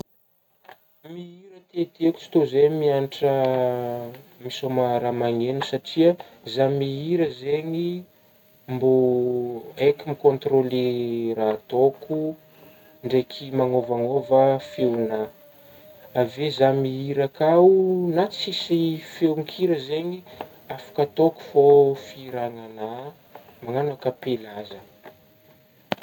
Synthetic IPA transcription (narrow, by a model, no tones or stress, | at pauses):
miiɾət̪et̪eku̥t͡si̥t̪ozejmianʈ͡ʂə | misomaɾamaŋenusaʈ͡ʂiə | zamiiɾəzeɲi | mbo | ekimikont̪rolerat̪oku | ɳɖ͡ʐekʰimaŋovaŋovəfewna | avezamiiɾakaunat͡sisifewŋkʰiɾəzeɲi | afḁkət̪oku̥fofiɾaŋana | maŋanakəpelazə